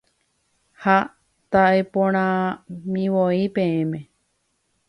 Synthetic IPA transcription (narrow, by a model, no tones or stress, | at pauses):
ha | t̪aʔepõɾ̃ãmĩʋoipẽ̞ẽmẽ̞